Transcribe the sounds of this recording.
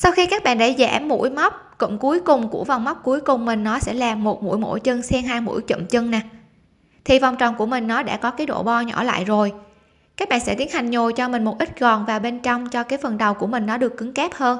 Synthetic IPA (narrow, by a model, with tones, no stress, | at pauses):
sa˧wxi˧kaː˦˥k̚ɓa̰ː˧˨nɗə˧˩jzɛ̰˧˩mːṵ˧˥jma˦˥wk͡p̚kʊ̰˧˥ŋ͡mku˨˦jkʊ˨˩ŋ͡mku˧˩əva˨˩wŋ͡mm˦˥k͡p̚ku˨˦jkʊ˨˩ŋ͡mmï˨˩ŋ̟nɔ˨˦sɛ̰˧˥laː˨˩mo˨˩t̚mṵ˧˥jmo̰˧˥jt͡ɕə˧ŋsɛ˧mɦaː˧jmṵ˧˥jt͡ɕə̰˧˨mt͡ɕə˧ŋna˨˩ | t̪ʰi˨˩va˨˩wŋ͡mt͡ɕɔ̰˨˩wŋ͡mku˧˩əmï˨˩ŋ̟nɔ˨˦ɗa̰ː˧˩kɔ˨˦kaː˨˦jɗo̰˧˩ɓɔ˧ɲɔ˧˩la̰ː˧˨jzo˨˩j | kaː˦˥k̚ɓa̰ː˧˨nsɛ̰˧˥t̪i˨˦nha˨˩jŋ̟ɲo˨˩jt͡ɕɔ˧mï˨˩ŋ̟mo˨˩t̚ʔi˦˥t̟̚ɣɔ˨˩nvaː˨˩wɓe˧nt͡ɕɔ˧wŋ͡mt͡ɕɔ˧kaː˨˦jfə˨˩nɗə˨˩wku˧˩əmï˨˩ŋ̟nɔ˨˦ɗɨ˨˩əkːɨ˨˦ŋkɛː˦˥p̚həː˧n